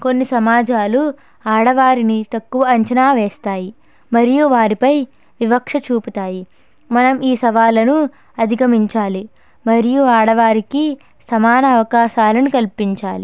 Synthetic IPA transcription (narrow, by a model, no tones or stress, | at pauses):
konːisɐmaːd͡ʒaːlu | aːɽɐʋaːɾinit̪ɐkːuʋɐɐɲt͡ʃɐnaːʋeːst̪aːji | mɐɾijuʋaːɾipɐj | ʋibɐkʂɐt͡ʃuːput̪aːji | mɐnɐmiːsɐʋaːlɐnu | ɐd̪ʱikɐmiɲt͡ʃaːli | mɐɾijuaːɽɐʋaːɾiki | sɐmaːnɐːʋɐkaːʃaːlɐnukɐlpiɲt͡ʃaːli